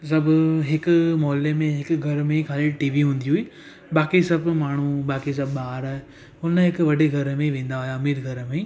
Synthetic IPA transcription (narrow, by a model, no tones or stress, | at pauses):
sɐbʱɦɪkʊmɔːlemẽɦɪkʊɡʱɐɾmẽkʰaːleʈiːʋiɦũːn̆d̪iɦuiː | ɓaːkisɐbmaːɳ̤uɓaːkis̬ɐbɓaːɾaːɦe | ʊnəɦɪkʋɐɖeɡʱɐɾəmẽʋẽːn̆d̪aɦjaɐmiːɾɡʱɐɾəmẽ